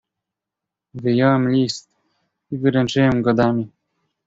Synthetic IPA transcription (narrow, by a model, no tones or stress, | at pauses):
vɘjɔwɛmlʲist̪̚ | ivɘɾɛnt͡ʂɘwɛmɡɔd̪amʲi